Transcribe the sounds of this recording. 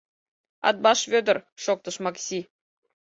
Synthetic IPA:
ɑ̰t̪̚bɑʃvʲød̪ə̆rʃok̚t̪ɤ̆ʃmɑksʲi

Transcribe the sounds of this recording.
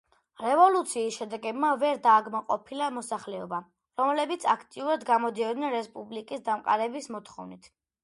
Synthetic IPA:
ɾɛvɔlut̪sʰiːsʃɛd̪ɛɡɛbmavɛɾd̪aːɡmaqʼɔ̰pʰilamɔsaχlɛɔba | ɾɔmlɛbit̪sʰakʰt̪ʼiuɾad̪ɡamɔd̪iɔd̪nɛnɾɛspʼublikʼisd̪amqʼa̰ɾɛbismɔt̪ʰχɔ̰vnit̪ʰ

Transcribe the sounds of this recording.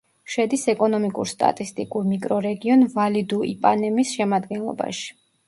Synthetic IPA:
ʃɛd̪isɛkʼɔnɔmikʼṵɾst̪ʼa̰t̪ʼist̪ʼikʼuɾmikʼɾɔɾɛɡiɔnvalid̪uipʼanɛmisʃɛmad̪ɡɛnlˠɔ̰ba̰ʃi̥

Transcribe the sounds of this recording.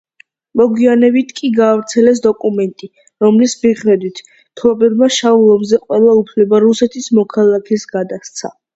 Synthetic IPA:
mɔɡwianɛbit̪ʰkʼiɡaːvɾt̪sʰɛlɛs̬d̪ɔkʼumɛnt̪ʼi | ɾɔmlismiχɾɛd̪wit̪ʰ | t̪ʰɔbɛbmaʃaulˠɔmzɛqʼwɛlˠaupʰlɛbaɾusɛt̪ʰismɔkʰalˠakʰɛsɡad̪ast̪sʰa̰

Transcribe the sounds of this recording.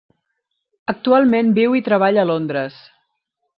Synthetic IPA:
ək̚t̪ualˠmembiwit̪ɾəβ̞aʎəlond̪ɾəs

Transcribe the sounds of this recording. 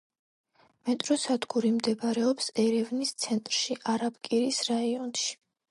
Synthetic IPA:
mɛt̪ʼɾɔsad̪ɡuɾimd̪ɛbaɾɛɔpsɛɾɛvnist̪sʰɛnt̪ʼɾʃiʔaɾabkʼiɾisɾaiɔnʃi̥

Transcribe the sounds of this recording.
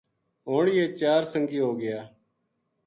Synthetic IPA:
ɦoːɳːeːt͡ʃaːɾsəŋɡiːɦoːɡɪjaː

